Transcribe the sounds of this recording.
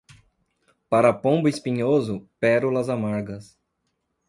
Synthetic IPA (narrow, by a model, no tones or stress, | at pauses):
paɾɐpõbʊispĩɲozʊpɛɾulɐzamaɾɡɐs